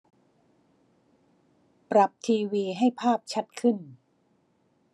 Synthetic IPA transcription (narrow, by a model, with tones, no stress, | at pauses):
pɾa˨˩p̚t̪ʰiː˧wiː˧ɦa˥˩jpʰaː˥˩p̚t͡ɕʰa˦˥t̪̚kʰɯ˥˩n